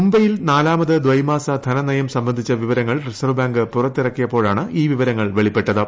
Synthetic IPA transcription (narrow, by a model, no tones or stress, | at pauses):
mumbɐjilnaːlaːmɐðɨd̪ʋɐjmaːsɐd̪ʱɐnɐnɐjɐmsɐmbɐnd̪ʱit͡ɕːɐʋiʋɐɾɐŋːɐɭrisɐrbaːŋɡɨpurɐt̪ːirɐkːijɐpːo̞ːɻaːɳɨʔiːʋiʋɐɾɐŋːɐɭʋe̞ɭipːe̞ʈːɐðɨ